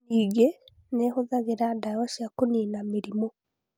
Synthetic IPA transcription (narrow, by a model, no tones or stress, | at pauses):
iɡe | nehoðaɣeɾadawaʃjakoninameɾimo